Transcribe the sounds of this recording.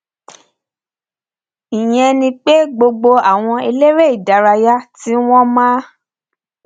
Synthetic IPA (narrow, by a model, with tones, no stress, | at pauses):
ĩ˨j̃ɛ̃˧nĩ˧k͡pe˦ɡ͡bo˧ɡ͡bo˧a˦˨w̃ɔ̃˧e˧le˦ɾe˦i˦˨da˨˦ɾa˧ja˦ti˨˦w̃ɔ̃˦mãː˦